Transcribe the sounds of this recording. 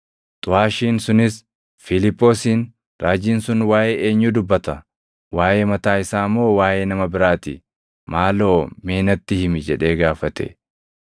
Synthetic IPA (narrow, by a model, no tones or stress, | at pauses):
t̪ʼʊhaːʃiːnsʊnɪs | fɪlɪpːo̞ːsiːn | ɾaːd͡ʒiːnsʊnwaːjʔeːeːɲːuːd̪ʊbːɐt̪ɐ | waːjʔeːmɐt̪aːɪsaːmːo̞ːwaːje̞ːnɐmɐbɪɾaːt̪ḭ | maːlo̞ːmeːnɐt̪ːɪhɪmɪd͡ʒɛᶑe̞ːɡaːfɐt̪ɛ̰